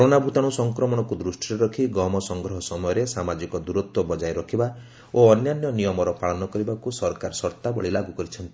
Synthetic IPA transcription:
kɔɾonabʱut̪aɽ̃usɔŋkɾɔmɔɽ̃ɔkud̪ɾusʈʰiɾeɾɔkʰiɡɔmɔsɔŋɡɾɔɦɔsɔmɔjɔɾesamad͡ʒikɔd̪uɾut̪wɔbɔd͡ʒajɾɔkʰiba | oɔnjanjɔnijɔmɔɾɔpaɭɔnɔkɔɾibakusɔɾkaɾɔsɔɾt̪abɔɭilaɡukɔɾit͡ʃʰɔnt̪i̥

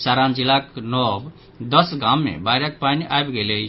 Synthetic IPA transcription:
saːɾãnd͡ʒɪlaːknɔːb | d̪əsɡãːmːḛ̃baːɾak̚paːniʔaːjbɡele

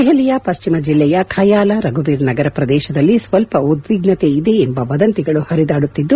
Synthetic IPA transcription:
eɦɛlijɐpɐst͡ʃimɐd͡ʒilːɛjɐkʰajaːlɐɾɐɡubiːɾnɐɡɐɾɐpɾɐd̪ɛːʃɐd̪ɐlːisʋɐlpɐud̪ʋiɡnɐt̪e̞id̪e̞ːmbɐʋɐd̪ɐnt̪iɡɐɭuhɐɾid̪aːɽut̪ːid̪ːu

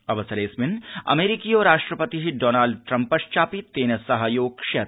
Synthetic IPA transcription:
ɐʋɐsɐɾeːsmɪnɐ̰meːɾikiɔːɾaːʃʈɾəpət̪iɦiɖoːnaːlɖ̚ʈɾɐ̃mpːɐʃt͡ʃaːpieːnɐsɐɦɐjoːɡʃe

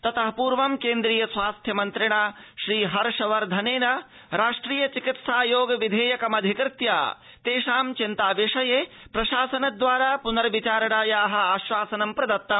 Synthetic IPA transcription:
t̪ɐt̪ɐɦɐpuːɾʋɐmkeːnd̪ɾiːjɐsʋaːst̪ʰjɐmɐnt̪ɾɪɽ̃aːʃɾiːɦɐɾʃɐʋɐɾd̪ʱɐneːnɐ | ɾaːʂʈɾiːjɐt͡ʃikit̪saːjoːɡɐʋid̪ʱeːjɐkɐmɐd̪ʱikɾɪt̪ja̰ː | t̪eːʃaːmt͡ʃint̪aːʋeʂɐje | pɾɐʃaːsɐnɐd̪ʋaːɾaːpunɐɾʋit͡ʃaːɾɐɽaːjaːɦɐ̆aːʃʋaːsɐnɐmpɾɐd̪ɐt̪ːɐm

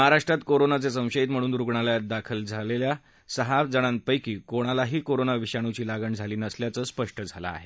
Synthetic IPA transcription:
məɦaɾaʂʈɾat̪koɾonat͡ses̬ə̃w̃ɕəit̪m̤əɽ̃uːnɾuɡɳaljat̪̚d̪akʰəld͡zʱalelja | səɦad͡zəɽ̃an̚pəjkiːkoɽ̃alaɦiːkoɾonaʋiɕaɽ̃ut͡ɕiːlaɡəɳd͡zʱaliːnəsljat͡səːspəʂʈəd͡zʱala̰ːɦe

